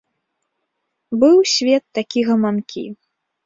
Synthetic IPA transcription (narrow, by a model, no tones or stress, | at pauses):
bɨwsʲvʲɛt̪ːakʲiɣɐmankʲḭ